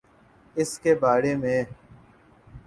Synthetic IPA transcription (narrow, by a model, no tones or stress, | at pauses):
ɪskeːbaːɽeːmẽː